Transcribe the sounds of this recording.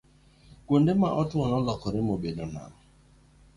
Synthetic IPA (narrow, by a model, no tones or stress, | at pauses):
kwondemaʔɔtɔnɔlɔkɔɾɪmobedona̰ɔ